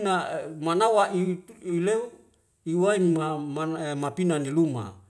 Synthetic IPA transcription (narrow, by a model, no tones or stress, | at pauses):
namanawaiileu | iwainmamamapinaniluma̰